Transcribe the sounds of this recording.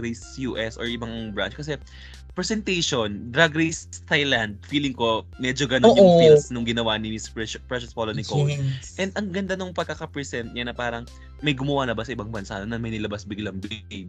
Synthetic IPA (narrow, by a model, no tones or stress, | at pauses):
ɾejsjuːʔɛsoɹʔɪbaŋbɹa̰nt͡ʃkɐs̬ɛ | pɹɛsɛnt̪ejʃond̪ɾaɡɾejst̪ajland̪̚fiːlɪŋko̞mɛd͡ʒoɡɐnoonjʊŋfilsnʊŋɡɪnɐwanɪmispɛpɹɛʃɐspolonɪkowsʔɛnd̪ʔɐŋɡɐnd̪anoŋpɐɡ̚kakɐpɹɛsɛnt̪̚ɲɐnːɐpaːɾɐŋ | mɐjɡʊmɐwalɐbasɐʔɪbaŋbɐnsanɐnɐmɐjnɪlɐbasbiɡlɐŋb